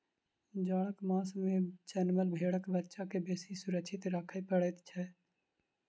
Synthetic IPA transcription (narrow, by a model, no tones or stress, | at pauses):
d͡ʒaːɽəkmaːsmẽt͡ʃɛnməlbʱeːɽəkbətːʃakebeːsisʊɾəkʃʰɪt̪ɾaːkʰapəɽet̪t͡ʃʰɛː